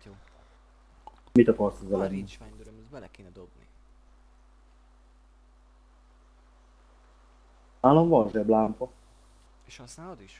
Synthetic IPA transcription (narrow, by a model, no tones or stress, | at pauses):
mit̪ɒkɒrsɔzɛlɛnːimzbɛlɛkeːnɛd̪obnḭ | aːlːoɱvɒlʒɛblaːmpɒ | eʃɒst̪aːd̪iʃ